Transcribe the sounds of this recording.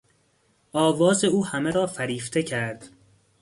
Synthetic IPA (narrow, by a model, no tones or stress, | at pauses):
ʔɒːvɒːze̞uːhæmeɾɒːfæɾiːft̪ʰe̞cʰæɾd̪̥